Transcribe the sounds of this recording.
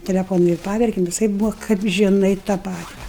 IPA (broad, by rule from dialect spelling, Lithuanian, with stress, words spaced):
tʲɛlʲɛˈfoːnʊ ɪr ˈpɑːʋʲɛrʲkʲɛm ʋʲɪˈsɐɪp ˈbuːʋɐ kɐp ʒʲɪˈnɐɪ tɑː ˈpɑːtʲɪ